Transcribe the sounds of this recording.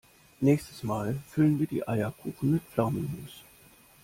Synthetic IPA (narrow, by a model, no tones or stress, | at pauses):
nɛːçstəsmaːlfʏlənviːɐdḭːʔaɪɐkʰuːxn̩mɪt̚flaʊminuːs